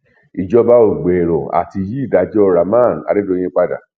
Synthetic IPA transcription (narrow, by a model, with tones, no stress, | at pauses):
i˨d͡ʒɔ˧ba˦o˨ɡ͡bɛ˨ɾɔ̃˨a̰˨ti˧ji˦i˦˨da˨˧d͡ʒɔ˦ɾa˨mã˦˨n˨a̰˨˧ɾe˦do˦˧˦j̃ĩ˧˦k͡pa˧da̰˨